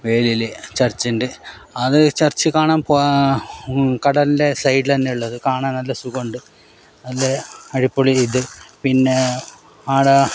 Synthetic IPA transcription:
ʋe̞ːlilet͡ɕɐrt͡ɕːinɖɨ | ɐðɨt͡ɕɐrt͡ɕːɨkaːɳaːmpoː | kɐɽɐlinde̞sɐjɖilɐnːeuɭːɐðɨkaːɳaːnnɐlːɐsuɣoɳɖɨ | nɐlːeɐɻipːoɭiiðɨpinːe | aːɽɐ

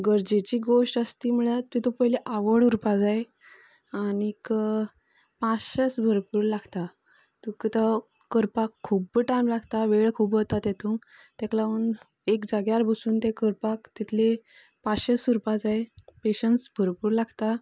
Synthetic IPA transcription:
ɡəɾd͡ʑet͡ɕiːɡoʂʈəst̪iːməɭat̪ːit̪opəɦileʔaʋəɽuɾpad͡zae | anik | paɕəsbʱəɾpuːɾlaɡt̪a | t̪ukət̪a | kəɾpakʰːubːəʈajmlaɡt̪aʋeɭkʰuːbət̪at̪jet̪ʰũŋk | t̪eklaun | ekd͡zaɡjaɾbʱəsuːnt̪ekəɾpakt̪it̪ʰle | paɕəsuɾpad͡zaepeɕəɳsbʱəɾpuːɾlaɡt̪a

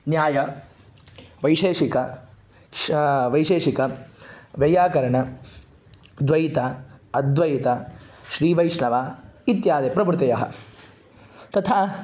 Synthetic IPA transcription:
njaːjɐ | ʋɐjʃeːʃikɐ | ʋɐjʃeːʃikɐʋjɐjaːkɐɾɐɳɐ | d̪ʋɐjit̪aɐd̪ʋɐjit̪ɐʃɾiːʋɐjʂɳɐʋaːit̪jaːd̪epɾɐbɾt̪ɐjɐɦɐ̰ | t̪ɐt̪ʰaː

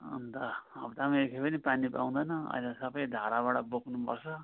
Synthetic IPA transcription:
ʌ̰nd̪ʌʌbt̪amekʰepʌnipanipa̰w̪̃d̪ʌjnʌʌ̰jlesʌbʌjd̪ʱaɾaβaʈʌbokʰnupʌ̰rt͡sʰʌ

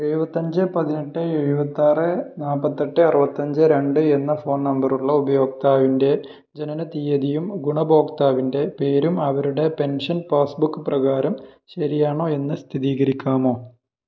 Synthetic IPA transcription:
eɻubɐt̪ːɐɲd͡ʑɨpɐðineʈːɨeɻubɐt̪ːaːrɨnaːpːɐt̪ːɐʈːɨɐrɨbɐt̪ːɐɲd͡ʑɨɾe̞ɳɖɨe̞nːɐfo̞ːnnɐmbɐruɭːɐubɐjo̞ːk̚t̪aːʋinde̞ | d͡ʑenɐnɐt̪ijɐðijumɡuɳɐbo̞ːkt̪aːʋinde̞pe̞ːɾumɐʋɐɾuɽe̞pe̞nʂɐnpaːsbukːɨprɐɣaːɾɐmɕɐɾijaːɳo̞ːe̞nːɨst̪ʰiðiːɣɐɾikʲːaːmo̞ː

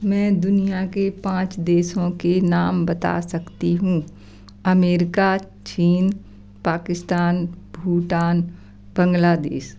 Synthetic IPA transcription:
mɛ̃ːd̪ʊnijakepãːt͡ʃd̪eːʃõkenaːmbɐt̪a̰sɐkt̪iɦũː | ɐmeːɾɪka | t͡ʃiːn | paːkɪst̪aːnbʱuːʈaːn | bə̃ŋɡlaːd̪ḛːʃ

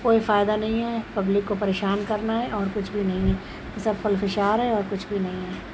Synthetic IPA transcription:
koːifaːjd̪anɐɦĩɦɛpɐblɪkːopɐɾeːʃaːnkɐɾnaɦɛʔɔːɾkʊt͡ʃʰbʱinɐɦĩɦɛ | ɪsɐbfʊlfɪʃaːɾɦɛɔːɾkʊt͡ʃʰbʱinɐɦĩɦɛː

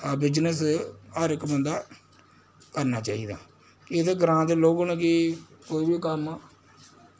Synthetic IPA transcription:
aːbɪd͡ʒnəsəɾɪkːbənd̪aː | kəɾnaːt͡ʃaːiːd̪a̰ː | kiet̪eːɡəɾãːd̪eːloːɡnːkikoːiːbiːkəmaː

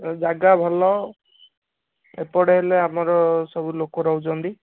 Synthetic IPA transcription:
d͡ʒaɡabʱɔlɔ | ḛpɔɽeɦeleamɔɾɔsɔbulokɔɾɔwd͡ʒɔnd̪i

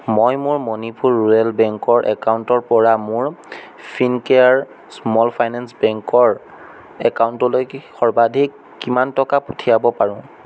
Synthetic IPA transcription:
mojmʊɹmɔnipuɹːuɹɛlbɛŋkɔɹʔɛkawntɔɹpɔɹamʊɹ | pʰinkɛaɹ | smɔlpʰajnɛnsbɛŋkɔɹ | ɛkawʊntɔlojxɔɹbadʱikːimantɔkaputʰijabɔpaɹʊ̃

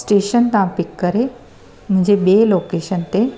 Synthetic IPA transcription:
sʈeːʃənt̪ãːpɪkːəɾe | m̤ʊ̃d͡ʑebeːloːkeːʃənt̪e

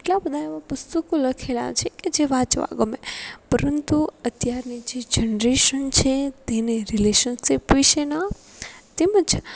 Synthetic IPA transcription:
eʈlabəd̪ʱaeʋapəst̪ukõləkʰela̰t͡ʃʰeked͡ʒeʋat͡ʃʋa̰ɡəmepəɾənt̪uət̪jaɾnid͡ʒed͡ʒənɾeʃənt͡ʃʰet̪eneɾileʃənsipʋiʃena | t̪eməd͡ʒ

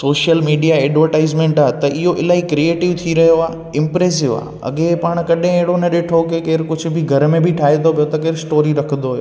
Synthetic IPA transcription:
soːʃijəlmiːɖijaɛːɖʋəɾʈaːɪzmẽɳʈaːɦt̪ɐʔɪɦoʔɪlaːikɾieːʈɪʋt̪ʰiɾɐɦijoaː | ɪ̃mpɾeːs̬ɪʋa̰ː | ɐ̰ɠẽpaːɽ̃kɐɗẽeɦɪɽonɐɗeːʈʰokekeːɾkʊd͡ʑʱʊ̆bʱɪɡʱɐɾmẽbʱɪʈʰaːɦĩnt̪opijot̪ɐk̬eːɾsʈoːɾiɾɐkʰə̃nd̪oɦɐɦjo̰

